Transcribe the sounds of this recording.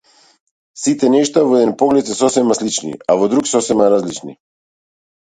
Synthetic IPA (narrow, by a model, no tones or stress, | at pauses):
sit̪ɛnɛʃt̪avɔɛd̪ɛnpɔɡlɛt̪sɛsɔsɛmaslit͡ʃnḭavɔd̪ɾuksɔsɛmaɾazlit͡ʃnḭ